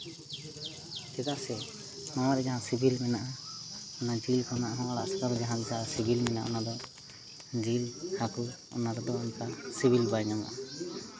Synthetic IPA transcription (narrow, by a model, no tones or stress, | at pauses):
d͡ʒɛt̪aʔsɛ | mamaɾɛd͡ʒaɦãsibilmɛnaʔaɔnad͡ʒilkʰɔnaʔɦɔ̃alaʔsakaɾɔd͡ʒaɦãbisasibilmɛnaʔɔ̰nad̪ɔ | d͡ʒilhaku | ɔ̰naɾɛd̪ɔɔnt̪asibʱilbajnamaʔa